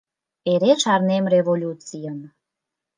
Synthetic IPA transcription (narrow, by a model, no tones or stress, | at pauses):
eɾeʃɑrnemrevolʲut͡sijəm